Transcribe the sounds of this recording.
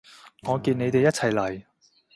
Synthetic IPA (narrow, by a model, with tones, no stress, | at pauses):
ŋɔː˨˧kiː˧ne˨˧jt̪e˨jɐ˥t͡sʰɐ˨˩jlɐ˨˩j